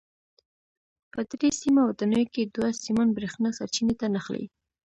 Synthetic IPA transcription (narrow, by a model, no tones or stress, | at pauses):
pəd̪ɾesimawd̪anəjoked̪wasimanbɾexnasaɾt͡ʃinet̪anaxlḛ